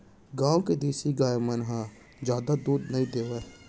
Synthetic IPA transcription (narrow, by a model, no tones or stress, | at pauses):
ɡãːwked̪eːsiɡaːjmənɦã | d͡ʒjaːd̪ad̪uːɾd̪nɐɦĩd̪eːʋe